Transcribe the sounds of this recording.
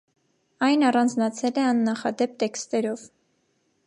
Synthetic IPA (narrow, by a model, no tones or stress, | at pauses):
ɑjnɑrɑnd͡znɑt͡sʰɛlɛɑnːɑχɑ̰d̪ɛp̚t̪ɛkst̪ɛɾɔv